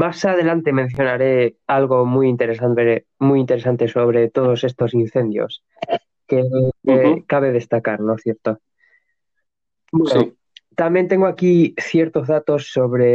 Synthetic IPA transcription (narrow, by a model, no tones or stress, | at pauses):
masaðe̞lant̪e̞men̟θjo̞naɾe̞alɣo̞mujint̪e̞ɾesant̪e | mujint̪e̞ɾesant̪e̞so̞βɾe̞t̪o̞ðo̞se̞st̪o̞sin̟θe̞nd̪jo̞̰s | ke | kaβ̞e̞ð̞e̞st̪akaɾnoθje̞ɾt̪o | bweno | t̪amje̞nt̪e̞ŋɡoakiθje̞ɾt̪o̞zðat̪o̞sːo̞βɾe̞